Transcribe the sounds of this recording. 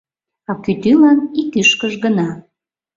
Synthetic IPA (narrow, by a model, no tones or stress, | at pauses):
ɑkyt̪ylɑnikyʃkəʒɣənɑ